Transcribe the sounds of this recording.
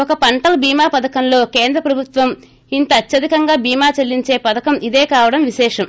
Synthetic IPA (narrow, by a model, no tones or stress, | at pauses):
ɔkɐpɐɳʈɐlɐbiːmaːpɐd̪ɐkɐmlo̞ːkeːnd̪ɾɐpɾɐbʱut̪ʋɐm | int̪ɐːt͡ʃːɐd̪ikɐŋɡaːbiːmaːt͡ʃɐlːiɲt͡ʃe̞ːpɐd̪ɐkɐmid̪eːkaːʋɐɽɐmʋiʃɛːʂɐm